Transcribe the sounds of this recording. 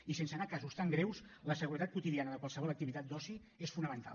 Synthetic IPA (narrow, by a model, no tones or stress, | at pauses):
isensənakazust̪aŋɡɾewsləsəɣuɾət̪at̪̚kwut̪iðianəðəkwalˠsəβɔləkt̪iβit̪at̪̚d̪ɔsi | esfunəmənt̪a̰